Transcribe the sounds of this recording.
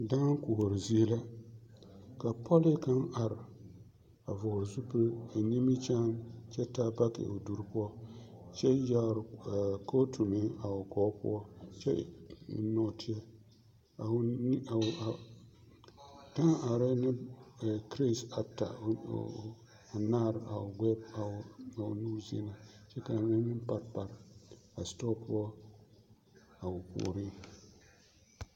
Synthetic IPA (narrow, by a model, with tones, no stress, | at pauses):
daː˦ŋ˦kʊ˨ho˨ɾɪ˨zi˦ɛ˦la˦ | ka˨pʰɔ˦li˦ka˦na˨ɾɪ˨ | a˨vɔ˨zu˦pɨ˦a˨ni˦mi˦t͡ʃa˦mt͡ʃɛ˦ta˦ba˦kɪ̰˨ʔo˨du˦ɾpʊ˦ɔ˦t͡ʃɛ˦ja˦˨ɾko˦tʰu˨mɪ˦a˨ʊ˨kɔː˦pʊ̰˦ɔ˦t͡ʃɛ̰˦˨ | nɔ˦˨tʰɪ˦a˦ | a˨˦˨ | ta˦a˨ɾɛ˦nɪ˦˨ | kɾi˦˨sa˨ta̰˨ | a˨na˦˨ɾa̰˨ʊ˨ɡɛ˦ba̰˨nu˦zḭ˦na˨t͡ʃɛ˦ka˨nɪ˦nɨ˦m˦pa˦ɾpa˨ɾa˨stɔ˦pʊ˦ɔ˦ | a˨ʊ˨pṵ˨ɾi˦